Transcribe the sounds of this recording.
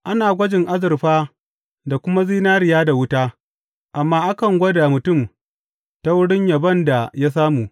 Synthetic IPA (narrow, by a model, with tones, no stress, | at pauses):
ʔa˦naː˨ɡʷɐ˦d͡ʒɪ˨ŋʔa˦zɪ˨rɸaː˦ | da˨kʷʊ˦ma˦ziː˦naː˦ɾɪ˨jaː˦da˨wʊ˦taː˦ | ʔa˨mːaː˦ʔa˦kɐ˨ŋɡʷɐ˦da˨mʊ˨tʊ˦˨m | ta˦wʊ˦ɽɪ˦ɲja˨bɐ˦nda˨ja˦s̬aː˦muː˨